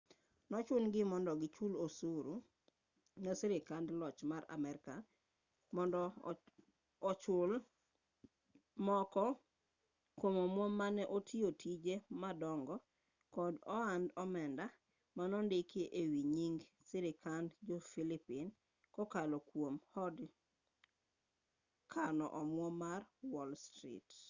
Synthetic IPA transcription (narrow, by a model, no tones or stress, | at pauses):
nɔt͡ʃʊnɡɪmɔndɔɡɪt͡ʃulosuɾu | nosiɾekandlɔt͡ʃmaɾa̰mɛɾkan | mɔndɔ | ɔt͡ʃʊl | mɔkɔ | kwomomwomːanɛʔotʰiotʰid͡ʒemadɔŋɡɔ | kɔdɔandɔmɛnda | manɔndekeʔewiɲiŋɡ | sɪɾɪkand͡ʒɔfilipin | kɔkalɔkwomhɔd | kʰanɔ̰ʔɔmwɔmarwɔlstɾḭt